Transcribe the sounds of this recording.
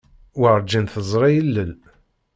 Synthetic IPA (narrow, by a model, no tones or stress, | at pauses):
wəɾˤd͡ʒːinθəzˤɾˤijəlːəl